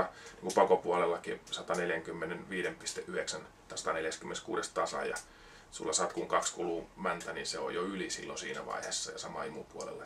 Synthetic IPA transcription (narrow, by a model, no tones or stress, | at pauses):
ɑniːŋkupɑkopuɑlelːɑkisɑt̪ɑneljæŋkymːenenʋiːɾempist̪eʔyheksæn | t̪ˑsɑ̥t̪ɑneljæskymːeneskṵːɾest̪ɑsɑ̰jɑ̰ | sulːɑsɑt̪kuŋkɑkskuluːmænt̪æninseo̰joylisḭlːo̰sḭːnæ̰ʋɑ̰ihesːɑjɑsɑmɑ̰imṵpuɑlḛlːɑ